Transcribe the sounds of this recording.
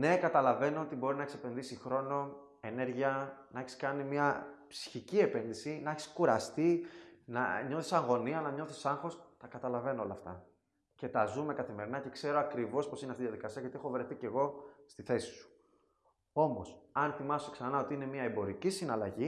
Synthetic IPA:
ne̞kɐt̪ɐlɐve̞no̞ot̪ibo̞ɾinɐeçisepe̞nðisixɾo̞no̞ | ene̞ɾʝiɐnɐeçiskɐnimiɐpsi̥çicie̞pe̞nðisinɐeçi̥skuɾɐst̪inɐ̰ɲo̞θisɐŋɣo̞niɐnɐɲo̞θi̥sɐŋxo̞st̪ɐkɐt̪ɐlɐve̞noolɐft̪ɐ̰ | ce̞t̪ɐzume̞kɐθime̞ɾinɐce̞kse̞ɾoɐkɾivo̞spo̞sineɐft̪iðijɐðikɐsiɐʝɐt̪ie̞xo̞vɾe̞θice̞ɣo̞st̪iθe̞si̥su̥ | o̞mo̞sɐnθimɐsoksɐnɐo̞t̪iine̞miɐebo̞ɾicisinɐlɐʝi

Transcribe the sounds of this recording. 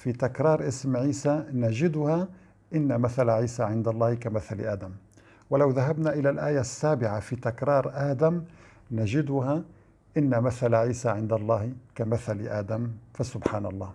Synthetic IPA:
fit̪akɾˤɑːɾˤʔɪsmʕiːsanaʒɪd̪ʊha | ʔɪnːamaθalʕiːsaʕɪnd̪ɑlˤːɑːhkamaθal̰ʔaːd̪am | wɪlawðaɦabnaʔɪlalʔaːjasːaːbɪʕafit̪akɾˤɑːɾˤʔaːd̪am | naʒɪd̪ʊha | ʔɪnːamaθalʕiːsaʕɪnd̪ɑlˤːɑːhkamaθal̰ʔaːd̪amfasʊbħaːnɑ̰lˤːɑː

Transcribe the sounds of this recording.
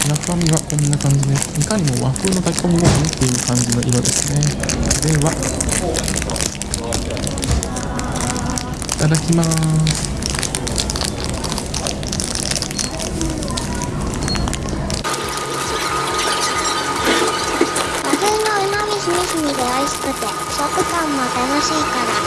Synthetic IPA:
nakamʲiβakõ̞nːakãɲ̟d͡ʑid̪e̞sikaɲ̟imo̞βaɸɯːno̞t̪aki̥kõmiɡomit̪ːe̞jɯ̟ːkãɲ̟d͡ʑino̞ʔiɾo̞d̪e̞sɨne̞d̪e̞βa | it̪ad̪akʲimasɨ̥ | bakenoɯmamʲiɕimiɕimʲid̪eaiɕi̥kɯ̟t̪e | ɕokːɯ̟kãmːoat̪anoɕiːkaɾa

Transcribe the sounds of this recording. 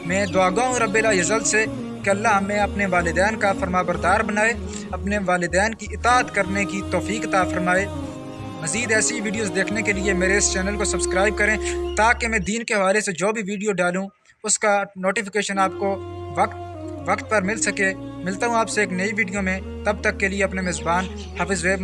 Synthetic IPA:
mɛ̃ːd̪ʊaːɡaːɦũɾɐbːeːlaːjɐzəlse | keɐlːaɦɐmẽɐpneʋaːlɪd̪ɛːnkafɐɾmaːbəɾd̪aːɾbənaːe | ɐpneʋaːlɪd̪ɛːnkiʔɪt̪aːət̪kəɾnekit̪ɔːfiːkɐt̪aːfɐɾmaːeː | mɐziːd̪ɛːseiʋiːɖijoːzd̪eːkʰnekeliemeːɾeɪst͡ʃɛːnəlkosɐbskɾaːɪb̚kɐɾẽːt̪aːkemɛ̃d̪iːnkeɦɐʋaːlesed͡ʒoːbʱiʋiːɖijoɖaːlũ | ʊskanoːʈifɪkeːʃənaːp̚koʋɐkt̪ʋɐkt̪̚pɐɾmɪlsɐkeːmɪlt̪aɦũaːpseeːknɐiʋiːɖijomẽ | t̪ɐb̚t̪ɐkːelieɐpnemeːzbaːn | haːfɪzʋeːb

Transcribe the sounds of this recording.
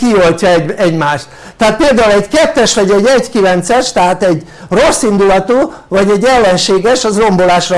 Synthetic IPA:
kio̞lcɒɛɟɛɟmaːʃt̪ | t̪ːɛɦaːt̪̚peːld̪aːulɛɟkɛt̪ːɛʃvɒɟɛɟɛɟkilɛnt̪sɛʃt̪ɛɦaːt̪ɛɟ | ro̞sːind̪ulɒt̪oːvɒɟɛɟːɛlːɛnʃeːɡɛʃɒzro̞mbo̞laːʃrɒ

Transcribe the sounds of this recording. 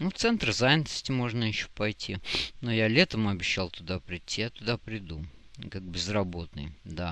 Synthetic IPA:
nuft̪sɛnt̪ɾzajnʲɪt̪ə̥sʲtʲɪmoʐnəjɪɕːopɐjtʲinojalʲet̪əmɐbʲɪɕːalˠt̪ʊd̪apɾʲɪtʲːijat̪ʊd̪apɾʲɪd̪ukak̚bʲɪzrɐbo̞t̪nɨ̰jd̪a

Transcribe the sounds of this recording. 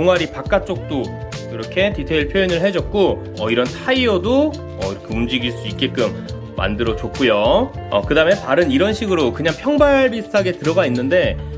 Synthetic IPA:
oŋɦwaɾipak̚k͈at͡ɕ͈ok̚t͈o | kiɾʌkʰe̞titʰe̞iɭpʰjojinɯɭɦe̞d͡ʑʌt̚k͈o | ʌiɾʌntʰaiodo | ʌ̰iʌkʰeumd͡ʑiɡiɭs͈uit̚k͈e̞k͈ɯmː | a̰ndɯɾʌt͡ɕok͈ʰujoʌ̰kɯdaɯme̞paɾɯniɾʌnɕʰiɡɯɾokɯɲaŋpʰjʌŋbabistʰaɡe̞tɯɾʌɡainːɯnde̞

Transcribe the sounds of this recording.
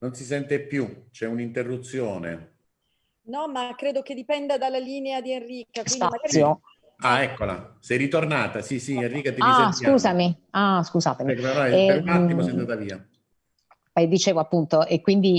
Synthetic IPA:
nonsis̬ɛnt̪epːjut͡ʃɛunint̪erːut̪sːjoːnḛ | nɔmakːɾeːd̪oked̪ipɛnd̪ad̪alːaliːnead̪ienriːkakwisindamaɡaɾio | aɛkːola̰sɛjɾit̪ornaːt̪asisienrːiːkat̪iaskuːzamiaskuzaːt̪emikːeaemaiosɛand̪at̪aviːa̰ | pɛjd̪it͡ʃeːvoapːunt̪oʔekːwind̪i

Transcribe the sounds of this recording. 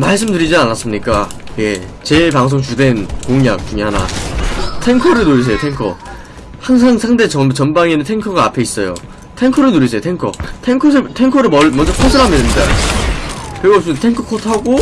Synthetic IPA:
maɭs̬͈ɯmdɯɾid͡ʑianas͈ɯmɲik͈a | jḛt͡ɕe̞paŋs̬ʰoŋt͡ɕudwe̞nkoŋɲak̚t͡ɕuŋeɦana̰ | tʰe̞ŋkʰʌɾɯɭnoɾis̬ʰe̞jotʰe̞ŋkʰʌ̰ | haŋs̬ʰaŋsʰaŋde̞t͡ɕʌt͡ɕʌnbaŋenɯntʰe̞ŋkʰʌɡaːpʰe̞is͈ʌjo̰ | tʰe̞ŋkʰʌɾɯɭnoɾis̬ʰeotʰeŋkʰʌtʰe̞ŋkʰʌs̬ʰɯtʰe̞ŋkʰʌɾɯɭmʌmʌnd͡ʑʌkʰotʰɯɾɦamiɾemɲida̰ | kɾeɡʌsimjʌtʰe̞ŋkʰʌkʰotʰɦaɡo

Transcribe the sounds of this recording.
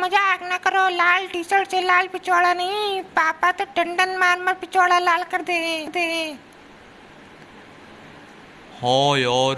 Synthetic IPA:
məd͡ʒaknakəɾoːlaːlʈiːt͡ʃəʈselaːlpɪt͡ʃoːɽanɐɦĩpaːpat̪oɖəɳɖənmaːɾməɾpɪt͡ʃoːɽalaːlkəɾd̪eɦɛ̃ːd̪eɦɛ̃ː | hɔ̃ːjɔː

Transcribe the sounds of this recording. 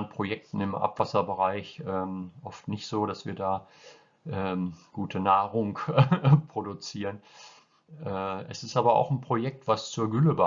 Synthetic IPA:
npʁ̥ojɛk̚tn̩ɪmʔa̰pv̥asɐbəʁaɪçʔɛːmʔɔftnɪçtz̥oːɾasv̥iːɐdaː | ʔɛːmɡ̥uːtʰənaːʁʊŋ | pʁ̥odut͡siːʁən | ʔɛːʔɛsɪstaːbɐa̰ʊxn̩pʁ̥ojɛk̚tv̥ast͡suːɐɡʏləba

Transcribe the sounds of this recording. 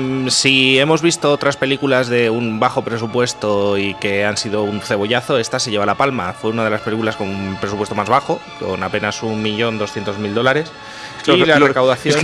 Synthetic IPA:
sie̞mo̞zβist̪o̞ot̪ɾaspe̞likulazðe̞umbaxo̞pɾe̞s̬upwe̞st̪o̞ike̞ansið̞o̞unθe̞β̞o̞ʝaθo̞e̞st̪ase̞ʝe̞βalapalmafwe̞unað̞e̞laspe̞likulasko̞numpɾes̬upwet̪o̞mazβ̞axo̞ | ko̞nape̞nasummiʝo̞nd̪o̞sθje̞nt̪o̞zmild̪o̞laɾe̞s | larekawðaθjon

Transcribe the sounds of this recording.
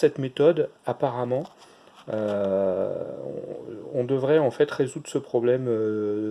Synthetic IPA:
sɛt̪met̪ɔd̪apaʁamɑ̃ | ø | ɔ̰̃ɔ̃d̪əvʁɛɑ̃fɛt̪ʁezud̪ʁsəpχɔblɛmø

